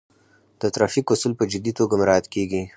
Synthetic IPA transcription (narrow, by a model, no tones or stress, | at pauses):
d̪̥ət̪ɾɑfikʊsulpəd͡ʒɪd̪it̪oɡamɪɾɑjat̪keɡi